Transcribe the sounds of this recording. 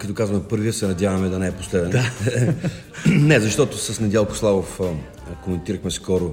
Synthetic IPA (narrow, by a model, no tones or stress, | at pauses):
kɐt̪ɔkazvɐmɛpɤɾviəsɛnɐdʲjavɐmɛd̪ɐnɛɛposlɛd̪ɛn | nɛzɐʃt̪ɔt̪ʊsɐsnɛd̪ʲɛlˠkʊ̥slˠavof | komɛnt̪iɾəxmɛskɔɾʊ